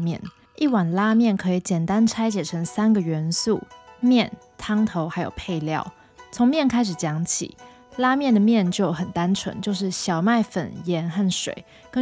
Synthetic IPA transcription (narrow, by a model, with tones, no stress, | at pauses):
mjɛ̰˥˩˨n | i˥˩wa˨˩nla˥mjɛ˥˩nkʰɤ˧˥i˨˩t͡ɕjɛ˨˩nt̪a˦nʈ͡ʂʰa˥ɪt͡ɕjɛ˨˩ʈ͡ʂʰə˧˥ŋsa˥nɡə˨ɥɛ˧˥nsu˥˩mjɛ˥˩n | t̪ʰɑ˥ŋt̪ʰo˧˥ʊxa˧˥jo̰˨˩ʊpʰe˥˧ɪljɑ̰˥˩ʊ | t͡sʰʊ˧˦ŋmjɛ˥˩˨nkʰa˥ɪʂ̬ɻ̩˨˩t͡ɕjɑ˧˥ŋt͡ɕʰḭ˨˩˦ | la˥mjɛ˥˩nd̪ə˩mjɛ˥˨nt͡ɕjo˥˩ʊxə˨˩nt̪a˥nʈ͡ʂʰwə̰˧˦nt͡ɕjo˥˧ʊʂ̬ɻ̩˥˩ɕjɑ˨˩ʊma˥˩ɪfə̰˨˩njɛ˧˥nxa˥˩nʂwḛ˨˦ɪ | kə˦˥